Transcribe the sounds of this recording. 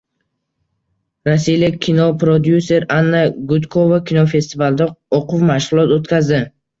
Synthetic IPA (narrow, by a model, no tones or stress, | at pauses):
ɾasijlakʲʰinopɾod̪juse̞ɾanːaɡʊt̪kʰovakʲʰinofe̞st̪ivalˠɪd̪aɔqʰʊfmaʃʁʊlˠɒt̪ot̪kʲazd̪ɪ